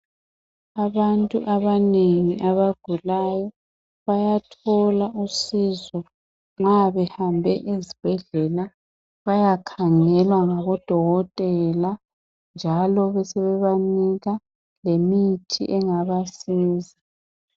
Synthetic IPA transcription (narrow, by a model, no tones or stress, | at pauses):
aβantʼuʔaβaneŋiʔaβaɡ̥ʱulajɔ | βajatʰɔlaʔusiːzɔ | ŋ͡ǁaβɛhambʱɛʔizib̥ʱɛɮɛla | βajakʰaŋɛlwaŋaβɔd̥ʱɔɣɔtʼɛla | nd͡ʒʱalɔβɛsɛβɛβaniɣa | lemitʰḭʔɛŋaβasiːzi